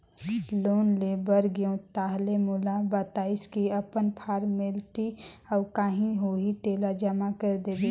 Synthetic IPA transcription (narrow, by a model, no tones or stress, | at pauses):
loːnlebəɾɡijõt̪aːɦlemulabaːt̪aːɪskiəpənpʰaːɾmɪlt̪iɔːɾkaːɦĩɦoɦit̪eːlad͡ʒəmakəɾd̪ed̪e